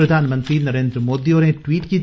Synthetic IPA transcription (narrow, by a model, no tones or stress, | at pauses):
ɾɐd̪ʱaːnmɐ̃nt̪ɾinɐɾeːnd̪ɾəmoːd̪ioːneʈʋiːʈki